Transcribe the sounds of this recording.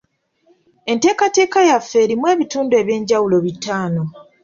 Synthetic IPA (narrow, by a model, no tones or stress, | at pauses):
e̞nte̞ːkate̞ːkajafːe̞ːɾimwe̞ːβituːndue̞βje̞ːɲɟawulo̞βitaːno̞